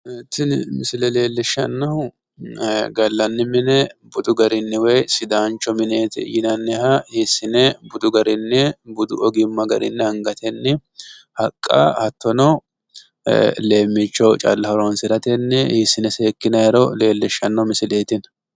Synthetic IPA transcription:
et̪ːɪnmɪsɪlɛle̞ːlːɪʃːɐ̰nːɐʊ | ɡɐlːɐnːɪmɪnɛbʊd̪ʊɡɐɾɪnːɪwɔjsɪd̪aːnt͡ʃːɔmɪneːt̪ɪ̰jɪnɐnːɛhɐhisːɪnɛbʊd̪ʊɡɐɾɪnːɛbʊd̪ʊ̰ɔɡɪmːɐɡɐ̰ɾɪ̰nːɛhɐŋɡɐt̪ʰɛnːɪ | hɐkʼːɐ̰hɐt̪ːɔnɔ | le̞ːmːɪt͡ʃːɔwt͡ʃʼɐ̰lːɐhɐɾɔnsɪɾɐt̪ɛnːɛhisːɪnɛseːkːɪnɐjɛɾɔle̞ːlːɪʃːɐnːɐwmɪsɪleːt̪ɪn

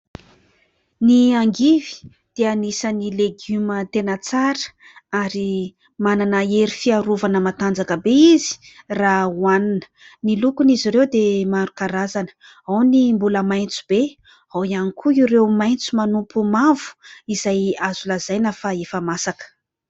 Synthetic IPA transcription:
niaŋɡivi̥ | d̪̥eanisənileɡumət̪enət͡saɾə | aɾi | mananəeɾifiaɾuvanəmat̪and͡zakəbeizi̥ | rawaninə̥ | nilukunizirewd̪emaɾukaɾazanə̥ | awnimbuləmajnt͡su̥b̥e | awianikʰuiɾewmajnt͡sumanumpumavu̥izajazulazajnəfaefəmasakə̥

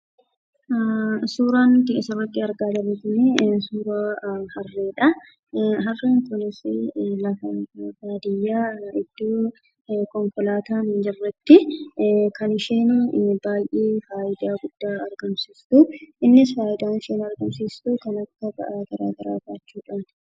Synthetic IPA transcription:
suːɾaːnt̪ɪɪsɐrɐk̪ːɪɐɾɡaːd̪ɐbɛt̪ɪnesuːɾahɐrːeːᶑɐ | ɦɐrːeːŋkʊnɪsɪlɐfɐbaːd̪ɪjːaːɪd̪̥ːoː | kɔŋkɔlaːt̪aːnɪd͡ʒɛrːɛt̪ːɪ | kɐnɪʃeːnbaːjʔeːfaːʔɪd̪aːɡʊd̪̥ːaːɐɾɡɐmsiːst̪ʊʔɪnːɪsfaːʔɪd̪aːnɪʃeːnɐɾɡɐmsiːst̪ʊkɐnɐkːɐbɐ̰ʔaɡ̥ɐɾa̰ːɡɐɾa̰ːbaːt͡ʃːuːᶑɐn

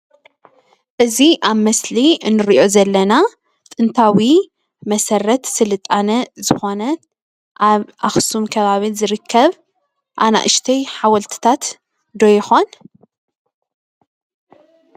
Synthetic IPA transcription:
ʔɨziʔaβmɐsliɨnːɨɾʔo̞zɐlːɐna | t̪ʼɨnt̪ʰawi | mɐsɐrɐt̪sɨlɨt̪ʼːanɐzɨxo̞nɐ | ʔaβʔaxsumkʰɐβaβizɨɾɨkʰːɐβ | ʔa̰na̰ʔɨʃt̪ʰɐjħawɐlt̪ʰɨ̥t̪ʰat̪ | d̪ojɪxo̞n

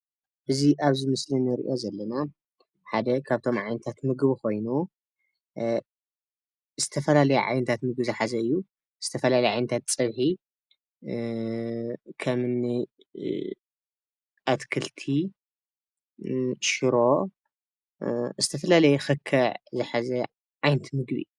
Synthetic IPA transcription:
ʔɨziʔaβzɨmɨslinɨɾḭʔo̞zɐlːɐna | ħad̪ɐkʰaβt̪ʰo̞mʕajnɐt̪ʰat̪mɨɡβko̞jnu | z̥ɨt̪ʰɐfɐlalɐjuʕa̰jnɐt̪ʰat̪mɨɡbɨzɨħazɐɨjːu | z̥ɨt̪ʰɐfɐlalɐjʕajnɐt̪ʰat̪t͡sʼɐβħi | kʰɐmɨnːi | ʔat̪kʰɨlt̪ʰi | ʃɨɾo̞ | zɨt̪ʰɐfɐlalɐjxɨkʰːɐʕzɨħazɐ | ʕajnɐt̪ʰmɨɡβiɨ̰u

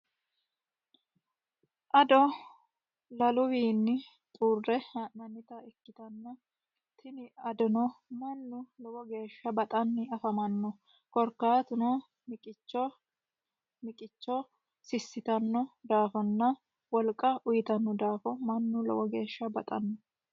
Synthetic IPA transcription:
ʔɐd̪ɔ | lɐlʊwiːnːɪ | t̪ʼuːrːɛhɐnɐnːɪt̪ɐɛkːɪt̪ɐnːɐ | t̪ʰɪnɪɐd̪ʊnɔmɐnːʊlɔwɔɡe̞ːʃːɐbɐt̪ʼɐnːɪɐfɐmɐnːɔ | kɔɾkːaːt̪ʊnɔ | mɪkʼɪt͡ʃːɔ | mɪkʼɪt͡ʃːɔ | sɪsːɪt̪ɐnːɔd̪aːfɔnːɐ | wɔlkʼːɐʔʊjɪt̪ɐnːɔd̪aːfɔmɐnːʊlɔ̰wɔɡe̞ːʃːɐbɐt̪ʼɐnːɔ

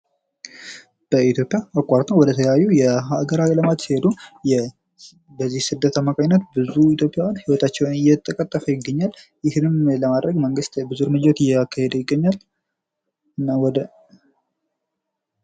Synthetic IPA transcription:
b̥əit̪ʰjo̞pʼjaːkʷʼːaɾt̪ʰənwɔd̪ət̪ʰəjajːujɛɦaɡəɾakʼləmad̪sihed̪ujɛ | bəzːihsɨd̪ːət̪ʰəmakʼaɲnːət̪bɨzuit̪ʰjo̞pʼːjawnhiwɔt̪ʰat͡ʃːɛwnɨjɛt̪ʼːəkʼət̪ʼːəfəjɪɡːəɲːaljɪhnɨmləmad̪ɾəɡməŋɡɨst̪bɨzuɾmɨd͡ʒot̪ɨjːɛakʰːahed̪əjɪɡːəɲːal | ɨnːawd̪

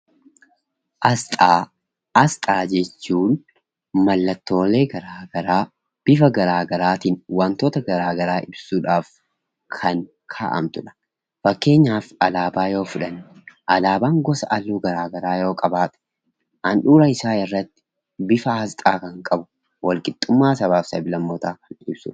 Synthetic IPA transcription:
ʔɐst̪ʼaː | ɐst̪ʼaːd͡ʒɛt͡ʃːuːn | mɐlːɐt̪ːo̞ːle̞ːɡɐɾaːɡɐɾaː | b̥ɪfɐɡɐɾaːɡɐɾaːt̪iːnwɐnt̪oːt̪ɐɡɐɾaːɡɐɾaːʔɪbsuːᶑaːf | kʰɐŋ | kʰa̰ːʔɐ̰mt̪ʊᶑɐ̥ | fɐkːe̞ːɲːaːfɐlaːbaːjo̞ːfʊᶑɐnʔɐlaːbaːŋɡɔsɐʔɐluːɡɐɾaːɡɐɾaːjo̞ːkʼɐbaːt̪ʼɛ̥ | ʔɐnᶑuːɾɐɪsaːɪrːɐt̪ːɪ̥ | bɪfɐhɐst̪ʼaːkɐŋkʼɐbʊ | wʔɐlkʼɪt̪ʼːʊmːaːsɐβaːfsɐbɪlɐmːɔt̪aːkɐnɪbsʊ̰ᶑ

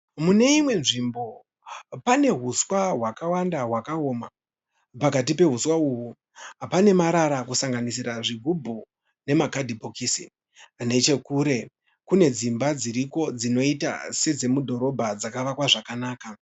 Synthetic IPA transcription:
mune̞imwe̞nʐimbo̞ | pane̞ɦuswaɦwakawandaɦwakaoːma | pakat̬ipe̞ɦuswauɦu | ɦapane̞maɾaɾakusaŋɡanisiɾaʐiɡʱubʱu | ne̞makadʱibʱokisi | ne̞t͡ʃe̞kuːɾe̞ | kune̞d͡zimbad͡ziɾiko̞d͡zino̞ita̰se̞d͡ze̞mudʱo̞ɾo̞bʱad͡zakaʋakwaʐakanaːka

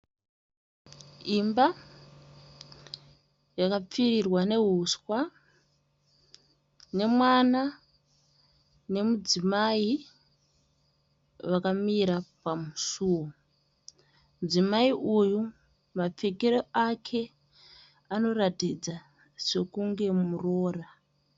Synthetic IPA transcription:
imba | jakap͡firirwane̞ɦuskwa | ne̞mwana | ne̞mud͡zimai | ʋakamiɾapamusuːwo | md͡zimaiʔuju | map͡fekeɾoakʰe̞ | ano̞ratid͡za | se̞kuŋɡe̞muro̞ːra

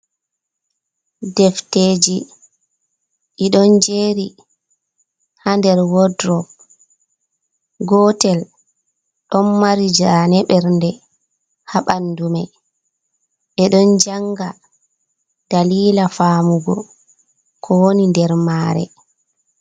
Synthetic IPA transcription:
dɛfteːd͡ʒi | iɗɔnd͡ʒeɾi | handɛɾwɔdɾɔp̚ | ɡɔtɛl | ɗɔnːaɾid͡ʒanɛɓɛɾndɛ | haɓandumɛ | ʔɛɗɔnd͡ʒaŋɡa | d̥aliːlafaːmuɡɔ̰ | kʰɔwonindɛɾmaːɾɛ̰

